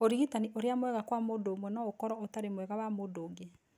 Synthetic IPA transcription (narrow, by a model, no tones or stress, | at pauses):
oɾiɣitaniʔoɾeamwɛɣakwamodomwɛnɔokɔɾɔotaɾemwɛɣawamodoːɡe